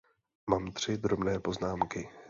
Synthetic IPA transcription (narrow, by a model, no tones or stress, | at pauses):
maːmt̪r̝̥ɪd̪ɾobnɛːpo̞znaːmkɪ